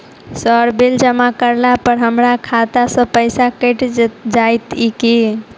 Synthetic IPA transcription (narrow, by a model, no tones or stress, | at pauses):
səɾbeld͡ʒəmakəɾlapəɾɦəmɾakʰat̪asə̃pəjsakəjʈd͡ʒajt̪iki